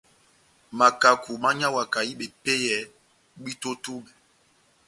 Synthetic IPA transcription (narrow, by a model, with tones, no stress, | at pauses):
ma˨ka˨ku˨ma˦ɲa˦wa˨ka˨i˦ɓe˨pe˦jɛ˨˦ | ɡ͡bi˦to˦tu˦ɓɛ˨